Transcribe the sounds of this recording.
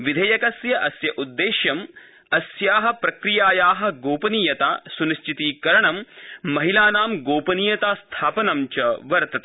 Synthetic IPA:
ʋid̪ʱɐjɐkɐsjɐʔɐsjɐʔud̪ːeːʃjɐm | ɐsjaːɦɐ̆pɾɐkɾijaːjaːɦɐ̆ɡoːpɐniːjɐt̪aːsuniʃt͡ʃʰit̪iːkɐɾɐɳɐmːɐɦilaːnaːmɡoːpɐniːjɐt̪aːst̪ʰaːpɐnɐmt͡ʃɐʋɐɾt̪ɐt̪e

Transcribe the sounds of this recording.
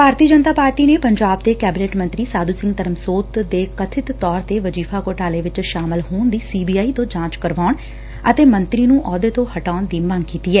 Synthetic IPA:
bʱaːɾt̪iːəd͡ʒənt̪aːpaːɾʈiːneːpəɲd͡ʒaːb̚d̪eːkɛːbɪneːʈmənt̪ɾiːsaːd̪uːsɪ̃ŋɡt̪əɾəmsoːt̪d̪eːkət̪ʰɪt̪ːɔːɾt̪eːʋəd͡ʒiːpʰaːkoːʈaːleːʋɪt͡ʃʃaːmɪlɦoːnd̪iːsiːbiːaːiːt̪õːd͡ʒãːt͡ʃkəɾʋaːʊɳ | ət̪eːmənt̪ɾiːnũːʔɔːd̪eːt̪õːhəʈaːʊnd̪iːmə̃ŋɡkiːt̪iːɛː

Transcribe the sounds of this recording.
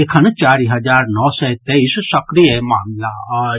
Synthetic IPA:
ekʰɐnt͡ʃaːɾiɦɐd͡ʒaːɾnɔːsɛt̪eissɐkɾijəmaːmla

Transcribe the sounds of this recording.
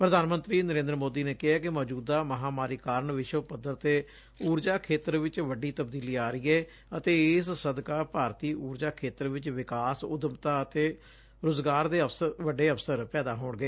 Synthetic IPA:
pɾəd̪ʱaːnmənt̪ɾiːnəɾẽːnd̪ɾmoːd̪iːneːkɪɦaːkɪmɔːd͡ʒuːd̪aːməɦaːmaːɾiːkaːɾəɳʋɪʃwəpəd̪əɾt̪eː | uːɾd͡ʒaːkʰeːt̪əɾʋɪt͡ʃʋəɖiːt̪əb̚d̪iːliːaːɾɪɛː | ət̪eːɪssəd̪kaːpaːɾt̪iːuːɾd͡ʒaːkʰeːt̪əɾʋɪt͡ʃʋɪkaːsʊd̪əmt̪aːət̪eː | ɾʊzɡaːɾd̪eːəpʋəɖeːəpʰsəɾpɛːd̪aːɦoːɳɡeː

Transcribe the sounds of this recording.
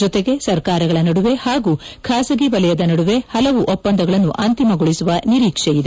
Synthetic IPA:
ɔt̪e̞ɡe̞sɐɾkaːɾɐɡɐɭɐnɐɽuʋe̞haːɡuːkʰaːsɐɡibɐlɛjɐd̪ɐnɐɽuʋe̞hɐlɐʋuʔɔpːɐnd̪ɐɡɐɭɐnːuʔɐnt̪imɐɡoɭisuʋɐniɾiːkʂejid̪e

